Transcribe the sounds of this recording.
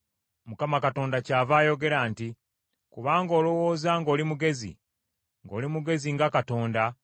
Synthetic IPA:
mukamakato̞ːndacaːvaːjo̞ɡe̞ɾaːnti | kuβaːŋɡo̞ːlo̞wo̞ːzaŋɡo̞ːlimuɡe̞zḭ | ŋɡo̞̰ːlimuɡe̞ziŋɡakato̞ːnda

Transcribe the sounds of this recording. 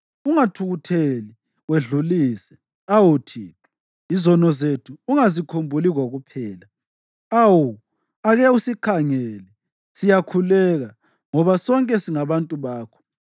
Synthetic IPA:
uŋatʰuɣutʰeli | weɮuliːsɛ | awutʰiːtʰɔ̥ | izɔnɔzetʰuːŋazikʰombʱuliɣoɣupʰɛːla | awu | aɣɛusikʰaŋɛlɛ | sijakʰulɛɣa | ŋɔβasɔŋkʼɛsiŋaβantʼuβaːkʰɔ̥

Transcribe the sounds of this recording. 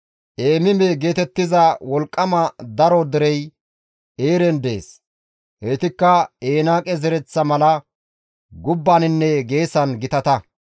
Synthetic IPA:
ʔeːmɪmɛɡe̞ːt̪ɛt̪ːɪzɐwɔlkʼːɐmɐd̪ɐɾod̪ɛɾɛj | eːɾɛnd̪ḛːs | heːt̪ɪkːɐeːnaːkʼɛzɛɾɛt͡sːɐmɐlɐ | ɡʊbːanɪnːɛɡe̞ːsɐnɡɪt̪ɐt̪ɐ

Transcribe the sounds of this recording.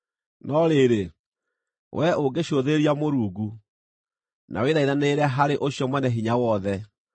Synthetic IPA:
nɔɾeɾe | wʔɛoɡeɕoðeeɾiamoɾuːɡu | nʔa̰weðaiðaneɾɛɦaɾeʔoɕjɔmwɛnɛɦiɲawɔðɛ

